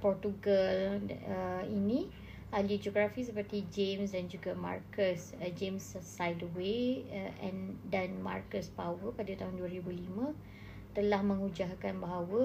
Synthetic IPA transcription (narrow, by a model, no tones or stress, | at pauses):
pɔrt̪uɡaləinĩ | alid͡ʒoɡɾafis̬əpərt̪id͡ʒems̬dand͡ʒuɡama̰rkəs | d͡ʒemssajdəweʔɛ̰ndanma̰rkəspawəpadat̪aɦunduaɾibulimã | t̪əlahmə̃ŋud͡ʒaɦkanbaɦawə